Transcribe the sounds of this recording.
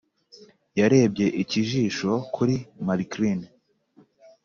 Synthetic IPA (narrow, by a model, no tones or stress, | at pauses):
jaɾe̞ːb̚ɟe̞ʔiciʒiːʃo̞kʰuɾimaɾikɾin